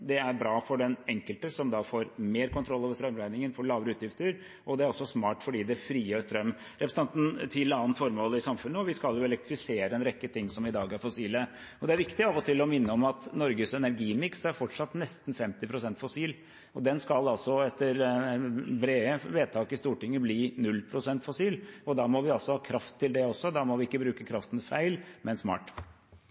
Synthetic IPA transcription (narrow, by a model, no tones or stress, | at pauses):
d̪ɛæɾbɾɑːfɔɖɛnɛŋkəlt̪əsɔmd̪ɑːfoːɾmeːɾkʊnt̪ʰɾɔlːɑːʋəʂt̪ɾœmɾæɪnɪŋənfɔɭɑːʋəɾəʉːt̪jɪft̪əɾ | ʔɔd̪ɛæɾɔsːɔsmɑːʈfɔɖiːd̪ɛfɾiːjøːɾst̪ɾœmː | ɾɛpɾəsɛnt̪nt̪ʰɪlɑːnfɔɾmoːlɪsɑmfʉnːəɔʋɪskɑljʊɛlɛk̚t̪ɾɪfɪseːɾəɛnɾɛkːət̪ʰɪŋːsɔmɪd̪ɑːɡæɾfɔsiːlə | ɔd̪ɛæɾʋɪkt̪ɪɑːʋɔt̪ʰɪlːɔmɪnːəɔmɑt̪nɔɾɡəsɛnæɾɡiːmɪksæɾfɔʈʂɑt̪nɛst̪n̩fɛmt̪ɪpʰɾʊsɛnt̪fɔsiːl | ɔd̪ɛnskɑlɑlsɔɛt̪ːəɾ | bɾeːəʋeːt̪ʰɑːkɪst̪uːʈɪŋːəbliːnʉlːpʰɾʊsɛnt̪fɔsiːlɔd̪ɑːmɔʋɪɑlsɔhɑːkʰɾɑft̪ʰːɪld̪ɛɔsːɔd̪ɑmɔʋɪɪkːəbɾʉːkəkʰɾɑft̪ənfæɪlmɛnsmɑ̰ːʈ